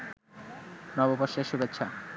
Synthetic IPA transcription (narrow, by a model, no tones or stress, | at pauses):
nɔboboʃeʃubet̪ːɕʰa